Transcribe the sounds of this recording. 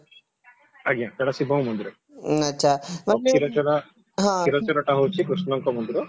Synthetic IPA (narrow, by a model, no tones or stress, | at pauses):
aɡijãkɛɽasibʱɔũmɔnd̪iɾɔ | ɐtːʃʰamaʈeiɾɔt͡ʃɔɾa | ɦãiɾɔt͡ʃɔɾɔʈaɦowt͡ʃʰikɾusnɔŋkɔmɔnd̪iɾɔ